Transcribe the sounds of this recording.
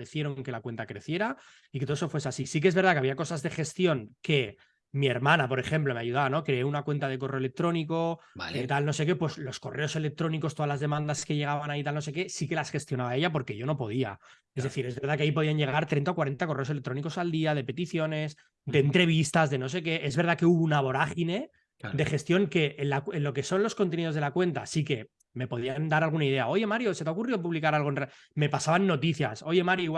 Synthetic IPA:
eθje̞ɾo̞ŋŋke̞lakwe̞nt̪akɾe̞θje̞ɾa | iket̪oeso̞fwes̬asisikeezβe̞ɾðakeaβiako̞sazðe̞χe̞st̪jo̞ŋke̞ | mieɾmãnapo̞ɾe̞χe̞mplo̞meaʝuð̞aβano̞kɾe̞eunakwe̞nt̪að̞e̞k̬o̞reele̞k̚t̪ɾo̞niko̞aet̪alno̞se̞ke̞pwe̞slo̞sko̞re̞o̞se̞le̞k̚t̪ɾo̞niko̞st̪oalazðe̞mãnd̪aske̞ʝe̞ɣaβanait̪alnos̬e̞ke̞sike̞lasxe̞st̪jo̞naβae̞ʝap̬o̞ɾke̞ʝo̞no̞po̞ð̞ia̰ | e̞zðeθiɾezβe̞ɾðakeaipo̞ð̞iaɲɟe̞ɣ̞aɾt̪ɾent̪aokwaɾe̞nt̪ako̞reo̞selek̚t̪ɾo̞niko̞sald̪iað̞e̞pe̞t̪iθjo̞ne̞s | d̪eːnt̪ɾe̞β̞ist̪azðe̞no̞se̞ke̞ʔe̞zβe̞ɾðake̞uβunaβ̞o̞ɾaxine̞ | d̪e̞xe̞st̪jo̞ŋke̞ʔenlakenlo̞ke̞so̞nlo̞sko̞nt̪eniðo̞zðelakwe̞nt̪a̰sike̞ | me̞po̞ðiand̪aɾalɣunaið̞e̞ao̞ʝe̞maɾjo̞set̪̬aokuriðopuβlikaɾalɣ̞oenr | me̞pasaβanːo̞t̪iθja̰so̞ʝe̞maɾjoiwa

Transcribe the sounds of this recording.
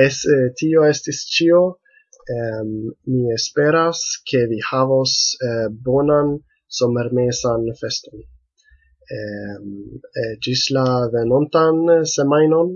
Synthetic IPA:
estio̞e̞stist͡ʃio̞ | mie̞spe̞ɾaskʰe̞vihavosbo̞nan | so̞me̞ɾmesanfe̞sto̞n | d͡ʒislaveno̞ntanse̞majno̞n

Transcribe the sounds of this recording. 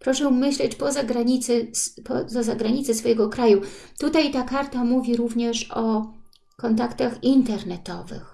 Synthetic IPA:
pɾɔʂɛmɘɕlɛt͡ɕpɔzaɡɾaɲit̪sɛspɔzazaɡɾaɲitsɛsfɔjɛɡɔkɾajut̪ut̪ajt̪akaɾt̪amuvʲiɾuvɲɛʂɔ | kɔnt̪akt̪axint̪ɛɾnɛt̪ɔvɘ̰x

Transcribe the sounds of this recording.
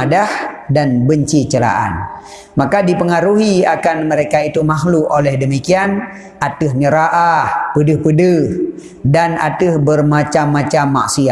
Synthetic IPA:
adahdanbəɲt͡ʃit͡ʃəla̰ʔa̰n | makadipəŋaɾuɦiakanməɾekait̪umaɦluʔolɛhdəmikian | at̪ɨhɲəɾaʔahpədɨhpədəh | dana̰t̪ɨhbərmat͡ʃamːat͡ʃamːa̰ʔsia

